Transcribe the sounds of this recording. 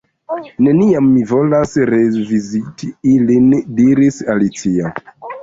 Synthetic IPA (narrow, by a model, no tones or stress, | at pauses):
ne̞niamːivo̞lasɾevizitiilindiɾisalit͡sia